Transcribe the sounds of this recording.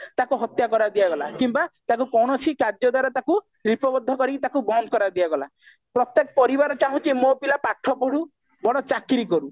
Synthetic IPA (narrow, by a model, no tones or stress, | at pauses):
t̪akuɦɔt̪jakɔɾad̪ijaɡɔla̰kimbat̪akukɔwɽ̃ɔsʰikad͡ʒɔd̪waɾɔt̪aku | ɾipɔbɔd̪ʱɔkɔɾit̪akubɔnd̪̚kɔɾad̪iaɡɔla | pɾɔt̪jekɔpɔɾibaɾɔt͡ʃaɦũt͡ʃimopilapaʈʰɔpɔɽu | bɔɽɔt͡ʃakiɾikɔɾu